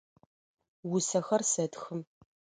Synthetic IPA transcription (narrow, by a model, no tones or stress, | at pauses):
wʊsɐxɐrsɐtxɨm